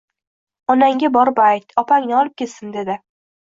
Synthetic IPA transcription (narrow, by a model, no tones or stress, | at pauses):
ɒnaŋɡʲabɒɾbajt̪ɒpʰaŋnɪɒlˠɪp̚kʲʰe̞t̪sɪnd̪e̞d̪ɪ